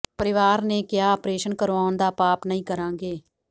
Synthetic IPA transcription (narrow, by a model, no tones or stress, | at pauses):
pəɾɪʋaːɾnẽːkjaːɔpɾeːʃənkəɾʋaːʊnd̪aːpaːpnəĩːkəɾãːŋɡeː